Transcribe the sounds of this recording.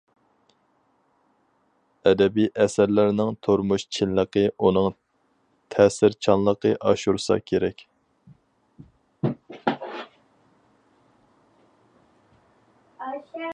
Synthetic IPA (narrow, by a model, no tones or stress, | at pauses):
ɛd̪ɛbijʔɛsæɾlɪɾnɪŋt̪ʰoɾmuʃt͡ʃʰɪnləqəʔunɨŋ | t̪ʰɛːsɪɾt͡ʃʰɑnlˠəqəʔɑʃuɾsɑ̰kʲʰeɾɛkʲ